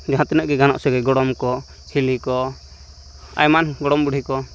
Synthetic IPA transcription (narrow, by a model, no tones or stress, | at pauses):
d͡ʒaɦãt̪inəʔɡɛɡanɔ̰ʔsɔɡɛɡɔɽɔmkɔ | t͡ʃʰilikɔ | a̰jmanɡɔɽɔmbuɽ̤ʱikɔ